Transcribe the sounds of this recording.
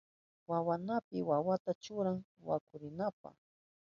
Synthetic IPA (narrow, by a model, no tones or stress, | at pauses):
wawanapɪwawat̪at͡ʃʊɾaŋ | wa̰kʊɾɪnap̚a̰